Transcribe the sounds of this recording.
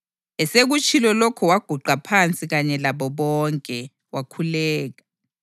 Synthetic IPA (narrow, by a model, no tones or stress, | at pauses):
ɛseɣut͡ʃʰʼilɔlokʰɔwaɡ̥ʱuɡ͡ǃʱapʰant͡sʼiɣaɲɛlaβɔβɔŋkʼɛ | wakʰulɛːɣa